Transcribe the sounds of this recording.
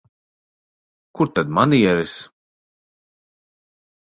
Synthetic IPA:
kuɾt̪ad̪maniɛɾis

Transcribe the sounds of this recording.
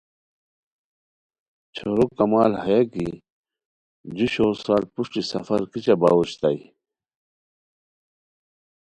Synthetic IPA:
t͡ɕʰoɾokːɐmaːlhɐjaki | d͡ʑuɕoːsaːlpuʂʈisɐ̰fɐɾkit͡ɕaba̰woɕt̪ai

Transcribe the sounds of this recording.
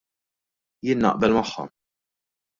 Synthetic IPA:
jɪːnːɐ̰ʔbɛlmɐħːɔ̰m

